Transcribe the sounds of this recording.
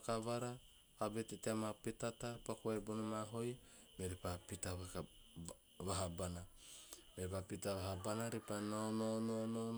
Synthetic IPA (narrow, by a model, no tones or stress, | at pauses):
kaβaɾa | kabeteteamapitatapakoebonomaɦoj | meɾipapitaβak | βaɦabana | mepapitaβaɦabanaɾipanononono